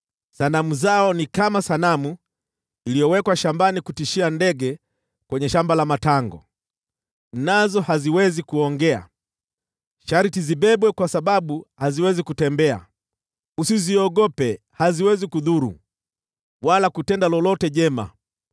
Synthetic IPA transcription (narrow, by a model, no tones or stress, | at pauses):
sanamuzaɔnikamasanamu | ilijɔwɛkwaʃambanikutiʃiandɛɡɛ | kwɛɲɛʃambalamataŋɡɔ̰ | nazɔhaziwɛzikuɔŋɡɛa̰ | ʃaɾitiziɓɛɓwɛkwasaɓaɓuhaziwɛzikutɛmbɛa̰ | usiziɔɡɔpɛ | haziwɛzikuðuɾṵ | walakutɛndalɔlɔtɛʄɛma̰